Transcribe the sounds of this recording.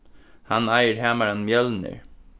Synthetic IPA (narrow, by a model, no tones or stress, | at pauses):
hanajəɾhæːmaɾanmjɛlnə̰ɹ